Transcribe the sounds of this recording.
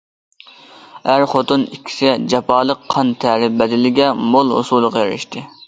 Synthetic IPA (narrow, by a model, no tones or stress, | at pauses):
æɾχot̪unikʲʰːi̥sɪd͡ʒɑpʰɑːlˠəqʰːɑnt̪ʰæɾɪbɛd̪ɪlɪɡʲɛmolˠɦo̰sulˠːəqɑjɛɾɪ̰ʃt̪ʰɨ